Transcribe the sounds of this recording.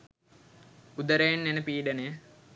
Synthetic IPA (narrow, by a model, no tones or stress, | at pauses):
ud̪əɾejenːenəpiːɖəne